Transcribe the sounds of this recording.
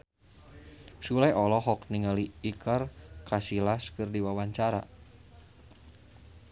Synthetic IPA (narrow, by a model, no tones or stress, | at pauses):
sulajʔɔlɔɦɔk̚niŋaliikʰarkasilaskɨrdiwawaɲt͡ʃaɾa̰